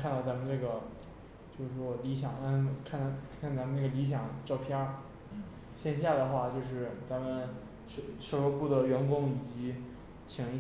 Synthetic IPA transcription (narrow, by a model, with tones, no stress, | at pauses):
kʰa˥˧nt̪ɑ˥˩ʊt͡sa˧˥mə˧˨nɤ˥˩ɡə˩ | t͡ɕjo˥˧ʊʂɻ̩˥˩ʂwɔ˥li˧˥ɕjɑ˨˩ŋa˧˥˨kʰa˥˩˧t͡sa˧˥mə˧na˥˩ɡə˩li˧˥ɕ̬jɑ˨˩˦ŋʈ͡ʂɑ˥˩ʊpʰjɑ˥˩ | ɕjɛ˥˧nɕja˥˩d̪ə˩xwa˥˩t͡ɕjo˥˧ʊʂ̬ɻ̩˥˩t͡sa˧˥mə˨n | ʂʂɤ˥˩lwɔ˥pu˥˩d̪ə˩ɥɛ˧˥nkʊ˥ŋi˨˩t͡ɕi˧˥ | t͡ɕʰi˧˩ŋ˧˥